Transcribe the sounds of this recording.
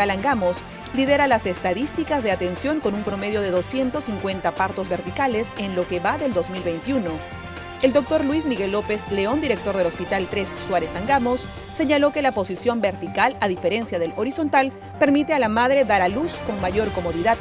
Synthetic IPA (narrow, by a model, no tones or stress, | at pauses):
alaŋɡamo̞s | lið̞e̞ɾalase̞st̪aðist̪ikazðe̞at̪e̞nsjo̞ŋko̞numpɾo̞me̞ð̞jo̞ðe̞ðo̞sje̞nt̪osiŋkwe̞nt̪apaɾt̪o̞zβe̞ɾt̪ikale̞senlo̞ke̞βaðe̞ld̪o̞zmilβe̞jnt̪juno̞ | e̞ld̪o̞k̚t̪o̞ɾlwismiɣe̞lːo̞pezle̞o̞nd̪iɾe̞k̚t̪o̞ɾðelo̞spit̪alt̪ɾesːwaɾe̞saŋɡamo̞sː | e̞ɲalo̞ke̞lapo̞sisjo̞mbe̞ɾt̪ikalað̞ife̞ɾe̞nsjað̞e̞lo̞ɾiso̞nt̪al | pe̞ɾmit̪e̞alamað̞ɾe̞ðaɾalusko̞ŋmaʝo̞ɾko̞mo̞ðiða